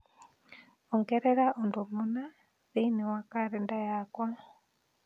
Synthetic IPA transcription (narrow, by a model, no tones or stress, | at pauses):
oŋɡɛɾɛɾaʔondomuna | zeinewakaɾɛndajakwa